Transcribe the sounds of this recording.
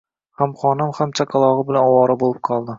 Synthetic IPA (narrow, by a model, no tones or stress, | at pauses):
hamχɒnɪmhamt͡ʃʰaqʰɑlˠɒʁɨbɪlanɒwɒɾabolˠɪp̚qʰɒlˠd̪ɪ